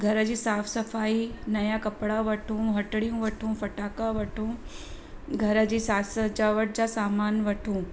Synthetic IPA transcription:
ɡʱɐɾəd͡ʑiːsaːfsɐfaːinɐjakɐpɽaʋɐʈʰũːɦɐʈɽijũʋɐʈʰũːfɐʈaːkaʋɐʈʰũ | ɡʱɐɾə̆d͡ʑiːsaːsəd͡ʑaːʋəʈ̚d͡ʑaːsaːmaːnʋɐʈʰũː

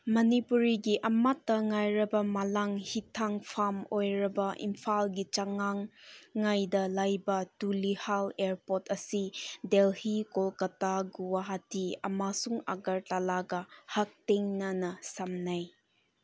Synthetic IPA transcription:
mɐnipuɾiɡiʔɐmatːɐŋajɾɐbɐmalaŋhitʰːaŋpʰamojɾɐbɐʔḭmpʰalɡit͡ʃaŋaŋːajdɐlajbɐtulihaleɾpotʰɐsidelhikolkɐtaɡuwaɦatiɐ̰masuŋa̰ɡɐɾtalaɡɐhɐk̚teŋnɐnɐsamnaj

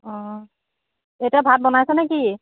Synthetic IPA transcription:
ɔ̃ | ejtiabʱat̚bɔnajsɛnɛki

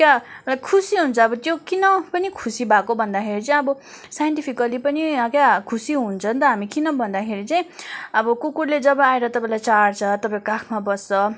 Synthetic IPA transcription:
kjakʰusiɦunt͡sʰʌːbʌt̪jokinʌpʌnikʰusibʱakobʱʌnd̪akʰeɾit͡sʌĩj̃ʌbʌ | sajeɳʈipʰikʌlipʌniʌkjakʰusiɦunt͡sʰʌnt̪ʌɦamikinʌbʱʌnd̪akʰeɾit͡saĩʌbʌkukuɽled͡zʌbʌaeɾʌt̪ʌpaĩlajt͡saɽt͡sʰʌt̪ʌpaĩokakʰmabʌsːʌ

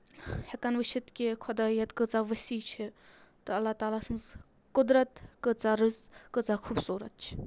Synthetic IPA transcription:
hɐkɐnʋəʃʰit̪kʲekʰɐd̪aːjɐt̪kɨt͡saʋɐsiːt͡ʃʰi | t̪ɨɐlːaːt̪aːlaːsɐnz | kʊd̪ɾɐt̪kɨt͡saɾɨzkɨt͡saxʰuːbsuːɾɐ̰t̪̚t͡ʃʰi̥

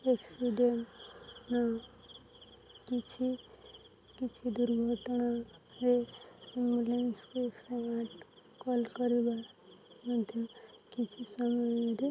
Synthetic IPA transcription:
eksiɖenna | kit͡ʃʰi | kit͡ʃʰid̪uɾɡʱəʈna | eimbulenskoeksəmaʈ | kɔlkəɾebaɾ | mad̪ʱjʌkit͡ʃʰisʌməeɾi

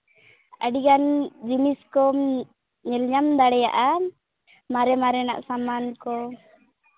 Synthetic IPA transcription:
əɖiɡand͡ʒiniskɔ | ɲɛlɲamd̪aɽɛja̰ʔa | maɾɛmaɾɛna̰ʔsamankɔ

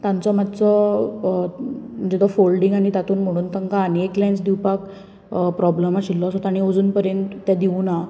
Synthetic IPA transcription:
t̪ãnt͡sɔmat̪t͡sɔ | m̤ənd͡zet̪ɔfolɖĩŋɡaɽ̃it̪at̪uːnm̤əɽ̃uːnt̪əŋkaːnieklajnt͡sd̪iwpak | pɾɔbləmaɕilːɔsɔt̪aɽ̃iod͡zuːnpəɾjẽnt̪ːad̪iuna

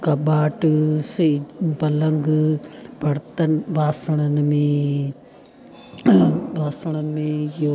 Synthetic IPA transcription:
kɐbaːʈɨsebɐlɐŋɡ | bʱɐɽt̪ɐnbaːsɐɽ̃ɐnmẽ | bʱaːsɐɽ̃ɐnmẽjo

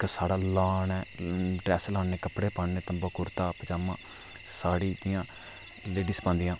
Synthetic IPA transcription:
ksaːɽaːlaːnɛːɖɾɛːslãːɳeːkəpɽeːpaːɳnẽːt̪əmboːkʊɾt̪aːpd͡ʒaːmãː | saːɽiːd͡ʒ̪ɪjãː | leːɖiːspãːnd̪ɪjãː

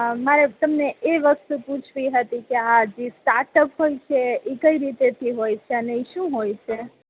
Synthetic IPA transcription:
maɾet̪əmneeʋəst̪uput͡ʃʰbiɦət̪ikiad͡ʒisʈaɾʈəpɦojt͡ʃʰɛikəiɾit̪et̪ʰiɦojt͡ʃʰɛəneiʃũɦojt͡ʃʰɛ

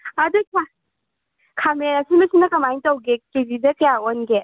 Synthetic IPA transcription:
adɯkʰa | kʰameɐsimɐsinɐkɐmajntawɡekebidɐkjaonɡe

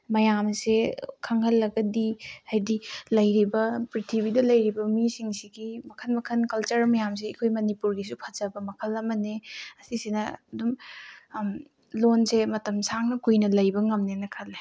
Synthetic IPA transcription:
mɐjamsekʰɐŋhɐlːɐɡɐdihajdilɐjɾibɐpɾitʰiβidɐlɐjɾibɐmisiŋsiɡimɐkʰɐnmɐkʰɐnkɐlt͡ʃɐɾmɐjams̬eɐkʰojmɐnipuɾɡis̬upʰɐzɐbɐmɐkʰɐlɐmɐneɐsisinɐɐdum | lonsemɐtɐmsaŋnɐkujnɐlɐjbɐŋɐmnenɐkʰɐle

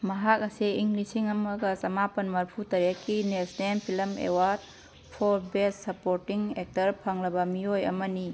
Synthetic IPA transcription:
mɐɦak̚ɐsiiŋlisiŋɐmɐɡɐsɐmapɐnmɐɾpʰutɐɾjakːinesnempʰilɐmḛwaɾd̚ | pʰɔɾbessɐpoɾtiŋek̚tɐɾpʰaŋlɐbɐmiojɐ̰mɐni

